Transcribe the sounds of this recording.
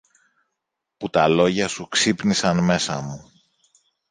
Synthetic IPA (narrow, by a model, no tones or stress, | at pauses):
put̪ɐlo̞ʝɐsuksipnisɐnme̞sɐ̰mu